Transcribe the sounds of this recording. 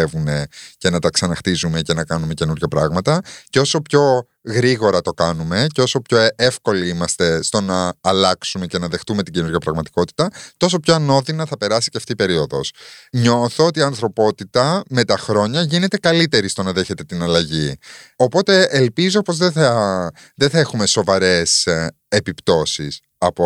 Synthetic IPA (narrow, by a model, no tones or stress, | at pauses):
evune̞ce̞nɐt̪ɐksɐnɐxt̪izume̞ce̞nɐkɐnume̞ce̞nuɾʝɐpɾɐɣmɐt̪ɐceo̞so̞pço̞ | ɣɾiɣo̞ɾɐt̪o̞kɐnume̞ceo̞so̞pço̞efko̞liimɐst̪e̞st̪o̞nɐːlɐksume̞ce̞nɐðext̪ume̞t̪iɟe̞nuɾʝɐpɾɐɣmɐt̪i̥ko̞t̪i̥t̪ɐt̪o̞so̞pçoɐno̞ðinɐθɐpe̞ɾɐsi̥ceɐft̪ipe̞ɾio̞ðo̞̰sɲo̞θoot̪iɐnθɾo̞po̞t̪it̪ɐme̞t̪ɐxɾo̞ɲɐʝine̞t̪e̞kɐlit̪e̞ɾist̪o̞nɐðe̞çe̞t̪e̞t̪inɐlɐʝio̞po̞t̪e̞elpizopo̞zðeθɐ | ðeθɐe̞xume̞so̞vɐɾe̞s | epipt̪o̞sis | ɐpo